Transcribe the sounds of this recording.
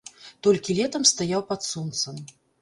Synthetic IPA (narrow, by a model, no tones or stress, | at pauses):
t̪ɔlʲkʲilʲɛt̪ɐmst̪ajawpat̪sɔnt̪sɐm